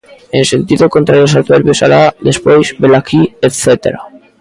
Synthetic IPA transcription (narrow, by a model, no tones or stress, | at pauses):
ensent̪iðokont̪ɾalos̬at̪βeɾβjosa̰lad̪espojzbelakʰiet̪θet̪ḛɾa̰